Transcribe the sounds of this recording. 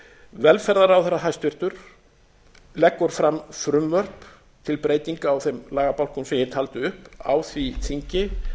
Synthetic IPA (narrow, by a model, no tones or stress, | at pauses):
vɛlfɛɾðaɾawθɛɾːaɦajst̪vɪr̥t̪ʏɾ̥ | lɛkːɔɾ̥fɾamfɾʏmvœr̥p | t̪ʰɪlpɾeːjt̪iŋkaːwθɛmlaːɣapawl̥kʏmsɛmjɛt̪ʰaːlt̪ʏʏhpa̰wθvit̪ʰiɲcɪ